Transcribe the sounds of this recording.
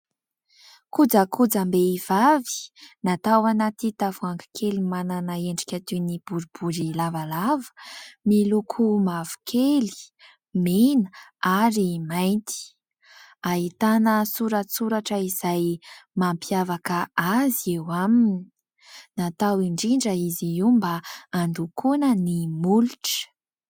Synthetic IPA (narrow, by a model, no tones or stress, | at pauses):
kud͡zəkʰud͡zambeiv̥avi̥nat̪awanat̪it̪avuaŋɡi̥kʰelimananaeɳɖ͡ʐi̥kʲat̪unib̥uɾibuɾilavalavə̥milukʰumavu̥kʰeli̥ | menəaɾimajnt̪i̥ | aɦit̪anəsuɾasuɾaʈ͡ʂəizajmampiavakəaziewamini | nat̪awiɳɖ͡ʐiɳɖ͡ʐəiziimbaand̪ukunənimuluʈ͡ʂ